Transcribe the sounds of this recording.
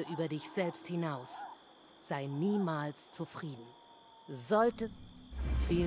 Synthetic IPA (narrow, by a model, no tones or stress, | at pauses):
əʔyːbɐdɪçz̥ɛlpsthɪnaʊs | z̥aɪniːmaːlst͡sufʁ̥iːdn̩ | zɔltə | fi